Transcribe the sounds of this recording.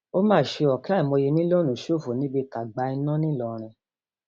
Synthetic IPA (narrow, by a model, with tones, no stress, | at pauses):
o˦mãː˦˨ʃe˧ɔ˨ka˦i˨mɔ̃˧je˧nĩ˦lo˦˨nũ˨ʃo˦˨fo˨nĩ˨˦bi˧ka˨ɡ͡ba˧i˧nã˦nĩ˦lɔ˨ɾ̃ĩ˧